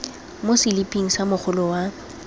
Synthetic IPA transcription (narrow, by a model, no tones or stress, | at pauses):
mosɪlipʼiŋ̩samʊχʰʊlʊwa